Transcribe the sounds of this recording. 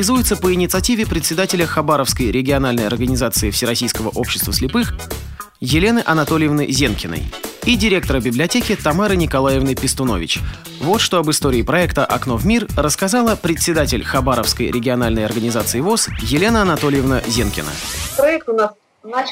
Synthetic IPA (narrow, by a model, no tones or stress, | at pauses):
ɪzujɪt̪səpəɪnʲɪt̪sɨɐtʲivʲɪpɾʲɪt̪ʲsʲɪd̪atʲɪlʲəxɐbaɾəfskəjɾʲɪɡʲɪɐnalʲnəjɐrɡənʲɪzat̪sɨɪfsʲɪɾɐsʲijskəvəʔo̞pɕːɪ̥st̪vəsʲlʲɪpɨx | jɪlʲe̞nɨʔɐnɐt̪o̞lʲɪjɪvnɨzʲenkʲɪnə̰jidʲɪɾʲe̞k̚t̪əɾəbʲɪblʲɪɐtʲekʲɪt̪ɐmaɾɨnʲɪkɐlˠajɪvnɨpʲɪst̪ʊnovʲɪ̰t͡ɕ | vo̞t̪ʂt̪o̞ɐbɨst̪o̞ɾʲɪːpɾɐɛkt̪əʔɐknovmʲirrəskɐzalˠəpɾʲɪt̪ʲsʲɪd̪atʲɪlʲxɐbaɾəfskəjɾʲɪɡʲɪɐnalʲnəjɐ̰rɡənʲɪzat̪sɨɪvo̞sjɪlʲe̞nəɐnɐt̪olʲɪjɪvnəzʲenkʲɪ̰nə̰pɾɐɛk̚t̪ʊnas